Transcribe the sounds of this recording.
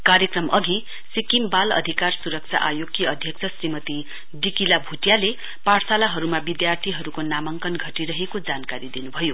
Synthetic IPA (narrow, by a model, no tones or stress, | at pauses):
karjʌkrʌmʌɡi | sikimbalʌ̰d̪ʱikarsuɾʌk̚t͡sʰa̰ʔajoɡiʌd̪ʱjʌk̚t͡sʰʌsrimʌt̪i | dikilabʱuʈjale | paɽsalaɦʌɾumabid̪jart̪ʰiɦʌɾukonamʌŋkʌnɡʱʌʈiɾʌɦekod͡zankaɾid̪inubʱʌjo